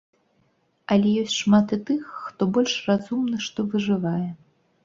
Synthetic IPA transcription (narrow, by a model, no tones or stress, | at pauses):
ɐlʲɛjɔsʲtʲʂmat̪ɨt̪ɨxːt̪ɔbɔlʲʂrazumnɐʂt̪ɔvɨʐɨvajɛ